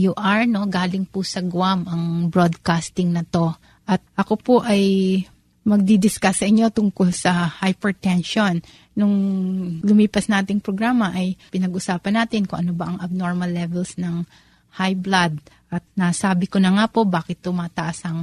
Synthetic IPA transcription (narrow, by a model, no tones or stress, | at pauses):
juʔɐɹno̞ɡaːlɪŋpʊsɐɡwamʔɐŋbɹo̞d̪̚kast̪ɪŋnɐt̪o̞ | ʔɐt̪̚ʔɐko̞poʔɐj | mɐɡ̚d̪id̪ɪskasɐʔɪɲːo̞t̪ʊŋkolsɐhajpɛɹt̪ɛnʃonː | ʊŋlʊmiːpɐsnaːt̪ɪŋpɾoɡɾaːmɐʔɐjpɪnɐɡʔʊsaːpɐnaːt̪ɪnkʊŋʔɐnobɐʔɐŋɐb̚no̞ɹmɐlːɛvɛlsnɐŋ | hajblad̪̚ʔɐt̪̚nasaːbɪkonɐŋapo̞baːkɪt̪̚ːʊmaːt̪ɐʔasɐŋ